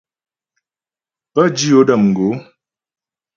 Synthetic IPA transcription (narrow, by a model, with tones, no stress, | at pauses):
pə˦d͡ʒi˦o˦ɗə˦˨mŋ̩˨ɡo˨˦